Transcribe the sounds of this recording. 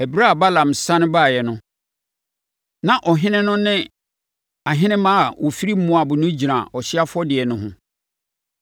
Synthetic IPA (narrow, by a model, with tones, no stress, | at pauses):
ɛ˨bɾa˦a˨ba˦lã˨m̩sã˦nʊ̃˦ba˦˨jɛ˨nʊ̃˦ | nã˨ʔɔ˨ɦɪ̃˦nɪ̃˦nʊ̃˦nɪ̃˦ | a˨ɦɪ̃˦nɪ̃˦mã˦a˨wʔɔ˨fi˦ɾi˦m̩˦mʊ̃˦a˨bʊ˨nʊ̃˦d͡ʑi˨nã˨ɔ˨ɕɪ˦a˦fʊ˦ɔ˦dɪ˨ɛ˨nʊ̃˦ɦʊ̃˦